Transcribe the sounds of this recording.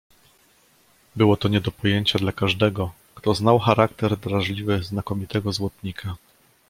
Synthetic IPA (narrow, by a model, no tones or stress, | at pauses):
bɘwɔt̪ɔɲɛd̪ɔpɔjeɲt͡ɕad̪lakaʐd̪ɛɡɔ | kt̪ɔznawxaɾakt̪ɛɾd̪ɾaʐlʲivɘznakɔmʲit̪ɛɡɔzwɔt̪ɲikʰa